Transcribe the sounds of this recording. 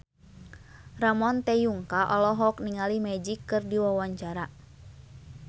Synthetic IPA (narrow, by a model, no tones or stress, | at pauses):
ramɔnt̪ɛjuŋkaʔɔlɔɦɔk̚niŋalimɛd͡ʒikːɨrdiwawaɲt͡ʃaɾa